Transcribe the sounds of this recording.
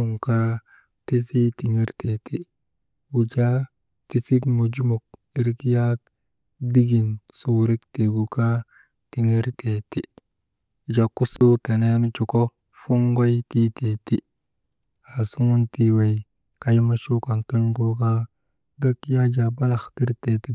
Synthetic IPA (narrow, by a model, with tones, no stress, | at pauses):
u˨ŋka˦ | ti˦fi˦ti˨ŋe˦ɾte˨ti˦ | wu˨d͡ʒa˦ | ti˨fi˦kmu˨d͡ʒu˦mu˨k̚ | i˦ɾi˦kja˦k | di˦ɡi˨nsu˦˨ɾi˦kte˨ɡu˨ka˦ | ti˨ŋe˦ɾte˨ti˦ | u˨d͡ʒa˨ku˦su˦te˨ne˦n˦t͡ʃu˨ko˦ | fu˦ŋɡo˦jti˦te˨ti˦ | a˨su˦ŋu˦nti˦we˨j | ka˦ji˦ma˦ʃu˦ka˨ntu˦ɲɡo˦ka˦ | ɡa˦kja˦d͡ʒa˨ba˦la˨xti˦ɾte˨ti˦